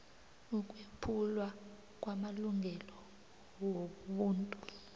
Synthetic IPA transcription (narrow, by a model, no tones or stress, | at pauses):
uk̬ʼwepʰulwa | kʼwamaluŋʱɛlɔ | woɓuːntʼu